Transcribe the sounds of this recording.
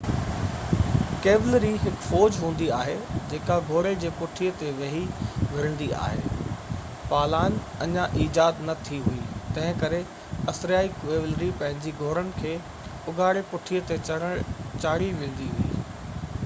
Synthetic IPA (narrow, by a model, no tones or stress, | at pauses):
keːblɾiɦɪkfɔːd͡ʑɦũːn̆d̪iaːɦed͡ʑeːkaɡʱoːɾed͡ʑeːpʊʈʰiət̪eʋɐɦiʋɪɾə̃n̆d̪ia̰ːɦḛː | paːlaːnɐɲãʔiːd͡ʑaːd̪nɐt̪ʰiɦuit̪ɐ̃ɦɪ̃kɐɾe | ɐsɾaːikeːʋlɾipɐ̃ɦɪ̃ɲd͡ʑiɡʱoːɾənɪ̆kʰeː | ʊɡʱaːɽepʊʈʰiət̪e | t͡ɕaːɽiʋɪ̃ːn̆d̪iɦuḭː